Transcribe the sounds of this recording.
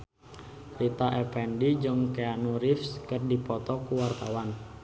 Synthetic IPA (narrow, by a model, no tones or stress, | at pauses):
rit̪aʔɛpɛndid͡ʒəŋkeanuɾifskərdipɔt̪ɔkuwart̪awan